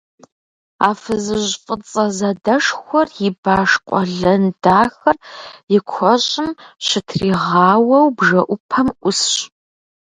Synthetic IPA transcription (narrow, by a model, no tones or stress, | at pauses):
aːfɨzɨʑfʼɨt͡sʼɐzɐdɐʂxʷɔrjɪbaːʂqʷʼɔɮɐndaːxɐrjɪkʷʰɔɕʼɪmɕɪtʰriːʁɑːwɐwbʒɐʔʷʊpʰɐmʔʷʊsɕ